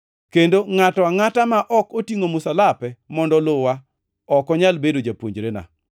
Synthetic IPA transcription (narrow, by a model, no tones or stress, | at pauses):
kendoŋatɔwaŋatamaʔɔkotiŋomʊsalapɛmɔndɔlʊwa | ɔkɔɲalbedod͡ʒapwoɲd͡ʒɾena̰